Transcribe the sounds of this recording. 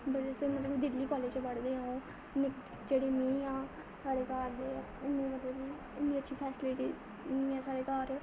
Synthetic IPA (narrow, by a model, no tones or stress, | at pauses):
bəɽesmət̪ləbd̪ɪlːiːkɔːleːd͡ʒbəɽd̪eːãõ | nɪk | d͡ʒeːɽeːnĩːãː | saːɽeːkaːɾd̪eː | ɪnẽːmət̪ləbiː | ɪnːĩːətːʃʰiːpʰɛːsɪleːʈĩː | ãːsaːɽeːkaːɾ